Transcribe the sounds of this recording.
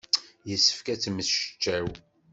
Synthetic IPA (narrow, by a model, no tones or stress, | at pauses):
jəsːə̥fkæt͡sːməθʃə̥t͡ʃːæw